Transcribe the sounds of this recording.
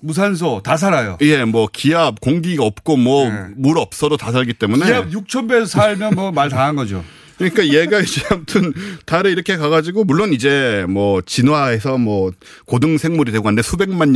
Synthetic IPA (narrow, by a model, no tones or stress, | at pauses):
mus̬ʰans̬ʰʌtas̬ʰaɾajo̰je̞mwʌkiap̚koŋɡiɡaʌp̚k͈omwʌmuɾʌp̚s͈ʌdotas̬ʰaɭɡit͈e̞muneab̚juk̚t͡ɕʰʌnbesʰaɭmjʌnmʌmaɭtaanɡʌd͡ʑo̰ | kɯɲik͈aje̞ɡat͡ɕinamtʰɯntaɾɯɭiɾʌkʰe̞kaɡad͡ʑiɡomuɭːonid͡ʑe̞mwʌt͡ɕinwae̞sʰʌmwʌ | kodɯŋsʰe̞ŋmuɾidwe̞ɡoandesʰube̞ŋman